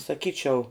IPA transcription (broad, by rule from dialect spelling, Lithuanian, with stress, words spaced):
sɐˈkʲiːt͡ʃʲɛʊ